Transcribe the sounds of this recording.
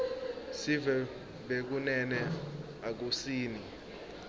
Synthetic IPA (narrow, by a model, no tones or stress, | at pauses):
sivɛ | ɓek̬unɛnɛ | ak̬usiːni